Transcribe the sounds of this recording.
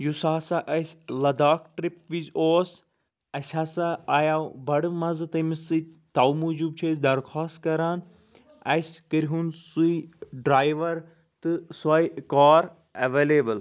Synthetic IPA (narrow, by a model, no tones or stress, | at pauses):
jusaːsaʔɐsʲlɐd̪aːkʈɾipʋizoːs | ɐsʲaːsaaːjaːbɐɽɨmɐzt̪ɐmisɨ | t̪aːwmud͡ʒubt͡ʃʰeːsd̪ɐɾxʰaːst̪kɐɾaːn | ɐskəɾɦunsuiɖɾaːjʋɐɾ | t̪ɨsaːjkaːɾ | ɐ̰ʋeːleːbɨl